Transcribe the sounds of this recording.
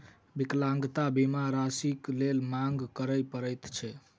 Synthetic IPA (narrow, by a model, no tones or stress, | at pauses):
biklãŋɡt̪abimaɾasiklelmaŋɡkəɾəjpəɾəjt̪t͡ʃʰɛ